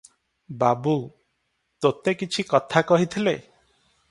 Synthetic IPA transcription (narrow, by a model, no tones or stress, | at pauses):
babu | t̪ot̪ekit͡ʃʰikɔt̪ʰakɔɦit̪ʰile